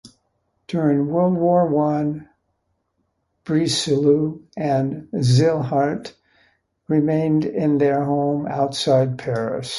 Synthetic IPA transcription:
d̥ʊɹɪ̃ŋwʊlˠwɔɹwʌ̃n | b̥ɹisɨluɨ̃nzɪlˠɦɑɹt | ɹɪmẽɪ̃ndɪ̃nðə˞ɦõʊ̃ma̰ʊtsaɪd̚pʰɛɹɨ̰s

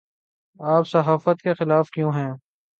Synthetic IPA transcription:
aːpsɐɦaːfət̪kexɪlaːfkjõːɦɛ̃ː

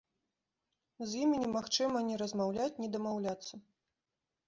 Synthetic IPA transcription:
zʲjimʲinʲɛmaxt͡ʂɨmɐnʲɛɾɐzmawlʲat͡sʲnʲɛd̪ɐmawlʲat̪sːɐ

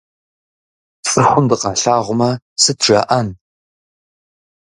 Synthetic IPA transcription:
t͡sʼɨχʷʊmndɨqɑɬaːʁʷʊmɐ | sɨtʰʒ̥ɐ̰ʔɐn

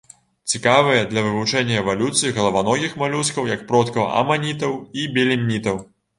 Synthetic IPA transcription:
t͡sʲikavɨjɐd̪lʲɐvɨvut͡ʂɛnʲːɐɛvalʲut̪sɨjiɣɐlˠɐvanɔɣʲixmalʲuskɐwjɐkpɾɔt̪kɐ̰ɐ̰manʲit̪ɐwibʲɛlʲimʲnʲit̪ɐw

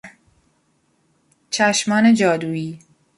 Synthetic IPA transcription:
t͡ʃʰæʃmɒːned͡ʒɒːd̪uːiː

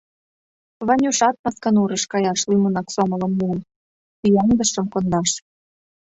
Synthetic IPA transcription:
βɑnʲuʃɑt̪̚mɑskɑnuɾə̆ʃkɑjɑʃlimunɑksomɤ̆lɤ̆mːun | t̪yjɑnd̪əʃə̆mkond̪ɑʃ

